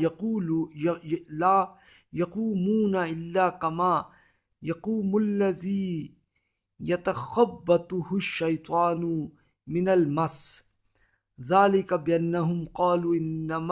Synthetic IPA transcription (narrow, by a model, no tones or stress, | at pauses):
laː | jɑquːmuːnaʔɪlːaːkamaː | jɑquːmʊlːaðiː | jɐt̪axabːat̪ˤʊhʊʃːɐjt̪ˤɑːn | mɪnalmas | ðaːlɪkabɪʔanːaɦʊmqɑːluːʔɪnːam